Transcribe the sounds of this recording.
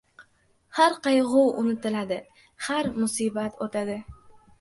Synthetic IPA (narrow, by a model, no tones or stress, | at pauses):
haɾqɑjʁʊwʊnɪt̪ʰɪlad̪ɪ | haɾmʊsiːbat̪ʰot̪ʰad̪ɪ